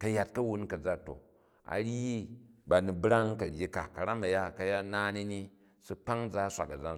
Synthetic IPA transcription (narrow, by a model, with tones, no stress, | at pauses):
kɐ˨ja˨t̚kɐ˦wu˦nkɐ˨d͡za˦to̰˨ | a̰˨ɾi˦ba˨ni˨bɾa˦ŋ˦kɐ˨ɾʲji˦ka̰˨kɐ˨ɾa˦mɐ˨ja˦˨kɐ˨ja˦naː˦ni˦ni˦ | su˦k͡pa˦ŋ˦d͡za˦sʷa̰˨kɐ˨d͡za˦n